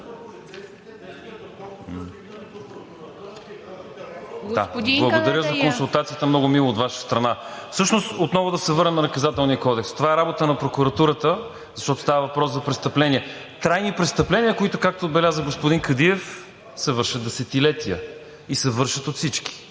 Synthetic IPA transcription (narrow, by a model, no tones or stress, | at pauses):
ɡ̪abblˠʊd̪ɐɾəzɐkkonsʊlˠt̪at̪sijət̪əmnɔɡʊmilˠoːtd̪vaʃə̥st̪ɾɐnafsɤʃnost̪ot̪nɔvʊd̪ɐsɛvɤɾnɛmnɐnɐkɐzat̪ɛlˠnijəkɔd̪ɛkst̪ovaɛɾabot̪ənɐpɾokuɾɐt̪uɾət̪ə | zɐʃt̪ɔt̪o̥st̪avəvɐpɾɔszɐpɾɛst̪ɐplɛniɛ | t̪ɾajnipɾɛtst̪ɐplɛniəkoit̪ʊkak̚t̪oːd̪bɛlʲazəɡospʊd̪inkɐd̪iɛf | sɛvɤɾʃətd̪d̪ɛsɛt̪ilɛt̪ijə | isɛvɤɾʃət̪ot̪sit͡ʃki̥